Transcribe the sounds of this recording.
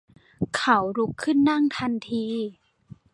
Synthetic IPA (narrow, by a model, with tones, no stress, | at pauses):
kʰa˧˦wɾu˧˦˥kʰːɯ˥˩nːa˥˩ŋt̪ʰa˧nt̪ʰiː˧